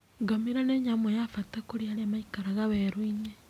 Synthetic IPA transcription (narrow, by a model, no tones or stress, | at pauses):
ɡamiɾaneɲamwojafatakuɾiaɾemaikaɾaɣaβeɾuiɲe